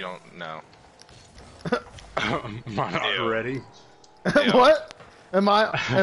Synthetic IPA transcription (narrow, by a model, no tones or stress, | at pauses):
dõʊ̃nːo̰ʊ | maɪnɹɛɾi | wʌt̚ | ɨ̃maɪɨ̃